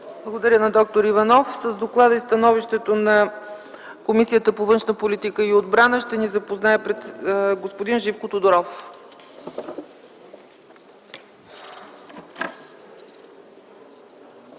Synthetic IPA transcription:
blˠəɡod̪ɐɾʲjənɐd̪ɔk̚t̪oɾivɐnɔfsəzd̪oklˠad̪əist̪ɐnɔviʃt̪ɛt̪onɐ | komisijət̪əpovɤnʃnəpolit̪ikəiod̪bɾanəʃt̪ɛnizɐpoznaɛpɾɛt̪ɡospod̪inʒifkot̪od̪oɾɔf

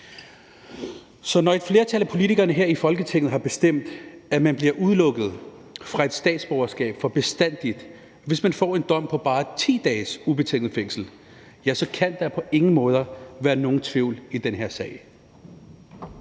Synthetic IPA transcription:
sɒ̽nɒ̽e̝d̥fle̝ːɐt͡sʰælæpʰo̝lit͡sʰiɡ̥ɐnəɦeɐ̰ifɒ̽lɡ̥ət͡sʰeŋ̰ð̩ˠɦɑ̈b̥e̝sd̥em̰d̥æmænb̥liɐʔuð̞ˠlɔ̽ɡ̥ð̩ˠ | fʁɑ̈e̝d̥sd̥ɛ̰ːd̥sb̥ɒʊɐsɡ̥ɛ̰ːb̥fɒ̽b̥e̝sd̥æn̰d̥id̥ | ʋe̝smænfɒ̰ːe̝nd̥ɒ̽m̰pʰɒ̽b̥ɑ̈ːt͡sʰḭːd̥ɛːsub̥e̝t͡sʰeŋ̰dð̩ˠfeŋ̰sl̩ | jæsɒ̽kʰæn̰d̥ɑpʰɒ̽ʔe̝ŋn̩mɔ̽ːð̞ˠɐʋæːɐno̝ːn̩t͡sʰʋiʊ̰lid̥enɦe̝ɐ̰sɛ̰ɪ

